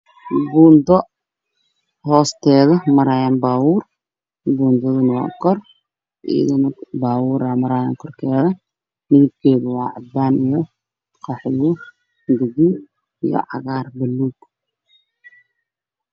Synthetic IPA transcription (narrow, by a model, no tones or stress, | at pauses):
buːnd̪ɔ | hɔːst̪ʰɛːðɐmɐɾaːjɐnbaːwuːr | buːnd̪ɔðɪnɪwa̰ŋkʰɔr | ʔḭːðɪnbaːwuːɾaːmɐɾaːjɐ̰ŋkʰɔrkʰɛːðɐ | niɪb̚kʰɛːðʊwɑːʕɑd̪̚baːnijɔ | qɑħɪjɔ | ɡʊði | ijɔ̰ʕɑɣaːrbɐlːuːd